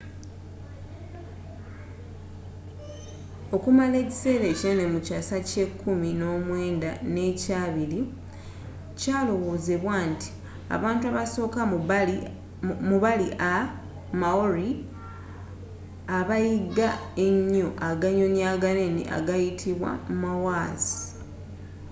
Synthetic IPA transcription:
o̞kumale̞ːci̥se̞ːɾe̞ːciene̞mucasace̞kːumino̞ːmwe̞ːndane̞caːβiɾi | caːlo̞wo̞ːzeβwaːntʰi̥ | a̰βaːntuaβaso̞ːka | muβaliʔa | maoɾi | aβajiɡaeɲːoʔaɡaɲo̞ɲjaːɡanenḭʔa̰ɡajitʰiβwa̰mumawaːzi

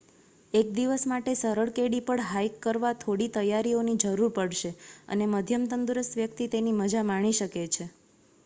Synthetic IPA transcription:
ek̚d̪iʋəsmaʈesəɾəɭkeɽipəɳɦajkːəɾʋat̪ʰoɽit̪əjaɾionid͡ʒəɾuɾpəɽʃeə̰neməd̪ʱjəmt̪ənd̪uɾəst̪ʋjəkt̪it̪eniməd͡ʒamaɽ̃iʃəket͡ʃʰe

